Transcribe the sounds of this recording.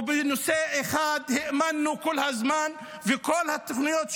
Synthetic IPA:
benoseeχad̪hemanːukolhazman | vekolhat̪aχnijot̪

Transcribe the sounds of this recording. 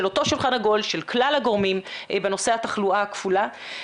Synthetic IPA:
elo̞to̞ʃulχanhaɡo̞lʃelklalhaɡo̞ʁmimbeno̞se̞hataχluaakfula

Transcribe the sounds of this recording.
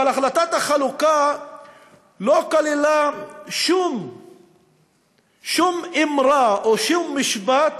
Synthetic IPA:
alaχlat̪at̪haχaluka | lokalilaʃum | ʃumimɾaoʃumːiʃbat̪

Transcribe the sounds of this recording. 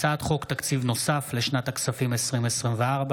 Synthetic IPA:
t͡saːt̪χo̞kt̪akt͡sivno̞safleʃnat̪aksafimesʁimesʁimveaʁba

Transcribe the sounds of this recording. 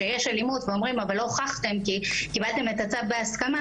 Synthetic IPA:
ejeʃelimutveo̞mʁimavalːo̞χaχt̪e̞mkikibalt̪e̞met̪at͡savbeaskama

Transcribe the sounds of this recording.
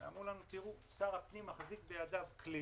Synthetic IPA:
a̰mʁulanut̪iʁu | saʁhapnimaχzik̚bejad̪avkli

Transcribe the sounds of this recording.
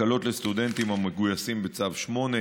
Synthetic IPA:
alo̞t̪le̞st̪ud̪e̞nt̪imhameɡujasimbet͡savʃmo̞ne

